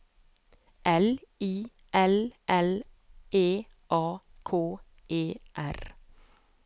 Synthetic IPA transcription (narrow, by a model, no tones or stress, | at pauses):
ʔɛliː | ʔɛlʔɛl | ʔeː | ʔɑː | kʰoː | ʔeːʔæɾ